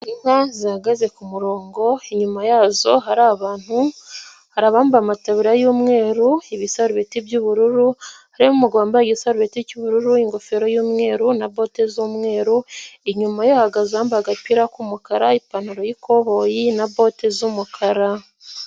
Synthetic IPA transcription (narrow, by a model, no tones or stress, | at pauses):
ɲimazihaɡaze̞kumuɾo̞ːŋɡo̞iɲumajaːzo̞ɦaɾaːβaːn̥hu | haɾaβaːmbamataβiɾajuːmŋe̞ːɾuiβisaɾuβetibjuβuɾuɾuhaɾimumuɡwaːmbaɡisaɾuβeticuβuɾuɾuiŋɡo̞feɾo̞juːmŋe̞ːɾunaβo̞ːtezuːmŋe̞ːɾuiɲumajohaɡazaːmbaɡapiɾakumukaɾaipanuɾo̞jikʰoβo̞jinabo̞tezumukʰaɾa